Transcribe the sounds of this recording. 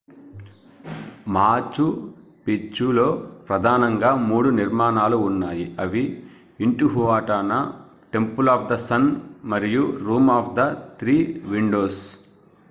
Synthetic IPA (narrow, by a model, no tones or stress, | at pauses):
maːt͡ʃu | pit͡ʃːulo̞ːpɾɐd̪ʱaːnɐŋɡaːmuːɽuniɾmaːnaːluːnːaːjiʔɐʋiː | ɳʈuɦuʋaːʈaːnɐ | ʈe̞mpulaːfd̪ɐsɐnmɐɾijuɾuːmaːfd̪ɐt̪ɾiːʋiɳɖo̞ːs